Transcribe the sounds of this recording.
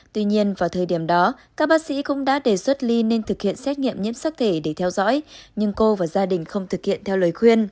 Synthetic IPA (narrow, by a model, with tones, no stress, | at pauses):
t̪wi˧ɲi˧ənvaː˨˩wt̪ʰəː˨˩jɗi˧˩əmɗɔ˨˦kaː˦˥k̚ɓaː˦˥k̚sḭ˧˥kʊ̰˧˥ŋ͡mɗa̰ː˧˥ɗe˨˩swə˦˥t̚li˧ne˧nt̪ʰɨ˨˩k̚hḭ˧˨ənsɛ˦˥t̚ŋḭ˧˨əmɲḭ˧˥əmsaː˦˥k̚t̪ʰe˧˩ɗe˧˩t̪ʰɛ˧wzɔ̰˧˥jɲɨ˧ŋko˧vaː˨˩zaː˧ɗï˨˩ŋ̟xə˧wŋ͡mt̪ʰɨ˨˩k̚hḭ˧˨ənt̪ʰɛ˧wləː˨˩jxwi˧ən